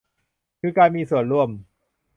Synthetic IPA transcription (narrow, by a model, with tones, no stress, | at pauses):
kʰɯː˧kaː˧nmiː˧su˨˩ənɾu˥˩əm